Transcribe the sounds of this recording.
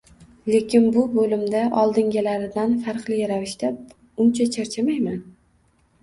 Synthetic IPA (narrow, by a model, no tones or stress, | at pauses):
le̞kʲʰɪnbʊbolɪmd̪aʔɒlˠd̪ɪŋɡʲalaɾɪd̪anfaɾqlɪjʲaɾavɪʃt̪a | ʊnt͡ʃʰat͡ʃʰaɾt͡ʃʰamajman